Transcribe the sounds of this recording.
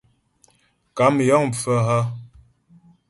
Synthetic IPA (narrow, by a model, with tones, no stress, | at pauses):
ka˨˦m˨jɔ˦ŋ˨fə˦ɦa˦